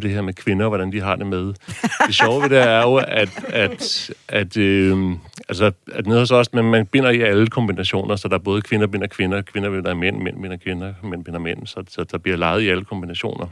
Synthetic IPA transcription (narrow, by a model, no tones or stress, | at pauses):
d̥e̝heɐ̰mekʰʋe̝nɐʋɒɾ̥ænd̥iɦɑ̈d̥e̝með̞̥ˠe̝ɕɒʊəʋedeæɐjo̝æd̥æd̥æd̥ø | ælsəæd̥ne̝ðˠhɒsɒ̽smenmænb̥e̝n̰ɐiæləkʰɒ̽mb̥inæɕo̝̰ːnɐsɒ̽d̥ɑ̈æɐb̥ɔ̽ːð̞̩ˠkʰʋe̝nɐb̥e̝n̰ɐkʰʋe̝nɐkʰʋe̝nɐb̥e̝n̰ɐimen̰men̰b̥e̝n̰ɐkʰʋe̝nɐmen̰b̥e̝n̰ɐmen̰sɒ̽sɒ̽d̥ɑ̈b̥liɐ̰lɑ̈ɪð̞̩ˠiæləkʰɒ̽mb̥inæɕo̝̰ːnɐ